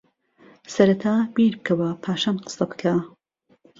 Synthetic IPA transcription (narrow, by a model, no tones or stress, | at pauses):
sɐɾɐt̪ʰaːbiːɾbɨkʰɐwɐpʰaːʃaːnqɨ̥sɐbɨ̥kʰaː